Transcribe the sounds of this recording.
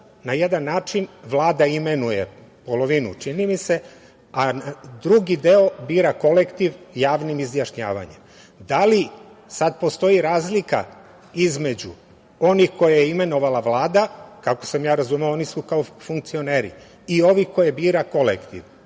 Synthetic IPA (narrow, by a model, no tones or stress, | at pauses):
najed̪anːaːt͡ʃinʋlˠaːd̪aime̞nuje̞̰po̞lo̞ʋinṵt͡ʃinimise̞ | ad̪ɾuɡid̪e̞o̞biːɾako̞lekt̪iʋjaːʋnimizjaʃɲa̰ːʋa̰ɲḛm | d̪ali | sad̪po̞st̪o̞jiɾaːzlika̰ | izme̞d͡ʑṵ | o̞nixko̞jajeime̞no̞ʋalaʋlˠaːd̪akakosamjaːɾazumaoonisukaofuŋk̚t̪sio̞neːɾḭ | io̞ʋihko̞jebiːɾako̞lḛkt̪ḭʋ